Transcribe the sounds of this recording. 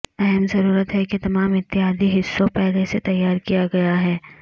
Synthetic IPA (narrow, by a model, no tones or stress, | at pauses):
ɛɦɛmzɐɾuːɾət̪ɦɛket̪ɐmaːmɪt̪ːɪɦaːd̪ʱiɦɪsːõpɛɦleset̪ɐjːaːɾkijaɡɐjaɦɛː